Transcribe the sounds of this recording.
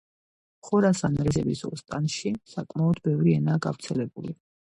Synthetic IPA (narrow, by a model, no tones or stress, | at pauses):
χɔɾasanɾɛzɛbisɔ̰st̪ʼanʃisakʼmaɔd̪bɛvɾiɛnaːɡavɾt̪sʰɛlɛbuli